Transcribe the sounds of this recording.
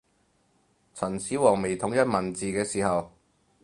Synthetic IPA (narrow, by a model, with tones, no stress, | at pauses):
t͡sʰɐ˨˩nsiː˨˥wɔː˨˩ŋme˨˩jt̪ʰʊ˨˥ŋjɐ˥t̚mɐ˨˩nt͡siː˨kɛː˧siː˨˩hɐ˨w